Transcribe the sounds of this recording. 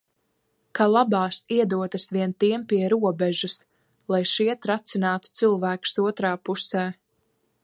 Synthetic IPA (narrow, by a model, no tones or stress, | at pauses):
kalˠabɑːsiɛd̪uɔt̪asʋiɛnt̪iɛmpiɛɾuɔbɛʒas | lˠajʃiɛt̪ɾat̪sinaːt̪u̥t̪sɨlˠvæːku̥suɔt̪ɾaːpusɛː